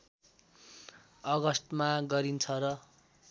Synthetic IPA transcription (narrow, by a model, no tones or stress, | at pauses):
ʌɡʌst̪maɡʌɾint͡sʰʌɾʌ